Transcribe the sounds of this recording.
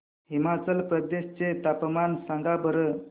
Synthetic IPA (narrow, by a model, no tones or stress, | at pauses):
ɦimat͡səlpɾəd̪eɕt͡set̪apmansaŋɡabəɾə